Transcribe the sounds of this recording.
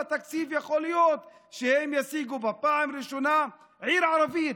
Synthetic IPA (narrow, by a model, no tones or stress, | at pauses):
at̪aksiːfjexoːlɪjoːt̪ | ʃehemjasiːɡubɪpaːʕamɾiʃona | ʕiːɾʕɑɾˤɑviː